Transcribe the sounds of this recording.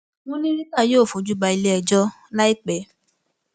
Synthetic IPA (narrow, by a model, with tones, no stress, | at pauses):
mõ˦nĩ˦ɾi˦ta˦˨joː˦˨fo˨d͡ʒu˦ɡ͡ba˧i˧le˧ɛ˨d͡ʒɔ˦ | la˦i˦k͡pɛ˨˦